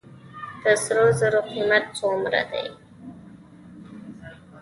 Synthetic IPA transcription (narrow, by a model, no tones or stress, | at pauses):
t̪əsɾozəɾʊqimat̪̚t͡somɾa̰d̪a̰j